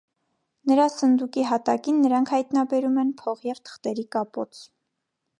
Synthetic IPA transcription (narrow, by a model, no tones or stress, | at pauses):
nəɾɑsənd̪ukiɦɑt̪ɑkinːəɾɑŋkʰhɑjt̪nɑbɛɾumɛnpʰɔʁjɛvt̪ʰə̥χt̪ɛɾikɑpɔ̰t͡sʰ